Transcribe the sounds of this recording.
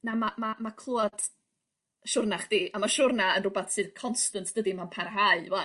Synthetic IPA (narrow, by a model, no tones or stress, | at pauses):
namamamakʰlˠuɔd̥ | ʃʊrnaχd̥iːʔamaʃʊrnaənrʊbaθsɨð̥kʰɔnstəntʰd̥ədimanpʰarɦaɨwa